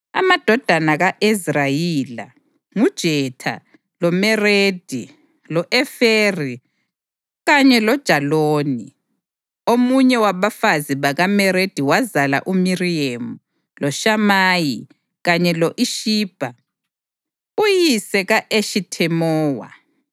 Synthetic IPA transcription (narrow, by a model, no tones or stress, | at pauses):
a̰mad̥ʱɔd̥ʱanaɣaʔizrajila̰ | ŋud̥ʒ̥ʱɛtʰa̰ | lɔmɛred̥ʱi | lɔʔɛferi | ɣaɲɛlɔd̥ʒ̥ʱaloːni | omuɲɛwaβafaziβaɣamɛɾed̥ʱiwazala̰ʔumiriemu | lɔʃamaːji | ɣaɲɛlɔʔiʃiːb̥ʱa | ujisɛɣaʔeʃitʰɛmɔːwa̰